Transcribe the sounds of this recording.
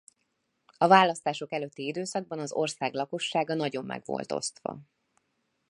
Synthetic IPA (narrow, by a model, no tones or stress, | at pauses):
ɒvaːlːɒst̪aːʃo̞kɛløt̪ːiid̪øːsɒɡ̚bɒnɒzo̞̰rsaːɡlɒko̞ʃːaːɡɒnɒɟo̞mːɛ̰ɡvo̰lt̪o̞̰st̪ʋɒ̰